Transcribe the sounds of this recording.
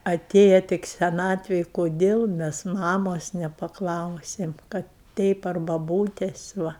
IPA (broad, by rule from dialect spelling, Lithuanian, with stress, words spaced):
ɐˈtʲeːjɛ tʲɪk sʲɛˈnɑːtʲʋʲeːj koːˈdʲeːlˠ ˈmʲɛs ˈmɑːmoːs nʲɛpɐˈklˠɐʊsʲeːm ˈkɐt tʲɛɪp ɐr bɐˈbuːtʲɛs ˈʋɐ